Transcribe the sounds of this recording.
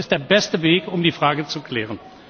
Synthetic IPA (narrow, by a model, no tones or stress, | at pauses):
ɪstd̥eːɐbɛstəveːkʊmdiːfʁ̥aːɡət͡sukl̥ɛːʁən